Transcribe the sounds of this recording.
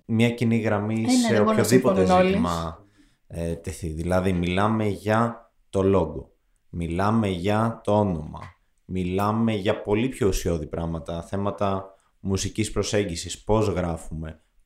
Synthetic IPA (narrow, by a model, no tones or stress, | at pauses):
mɲɐciniɣɾɐmiseopçoðipot̪ezimɐ | t̪e̞θiðilɐðimilɐme̞ʝɐ | t̪o̞lo̞ɡo̞ | milɐme̞ʝɐt̪oono̞mɐ̰ | milɐme̞ʝɐpo̞lipço̞usio̞ðipɾɐɣmɐt̪ɐθe̞mɐt̪ɐ | musicispɾo̞se̞ɲɟisispo̞zɣɾɐfume̞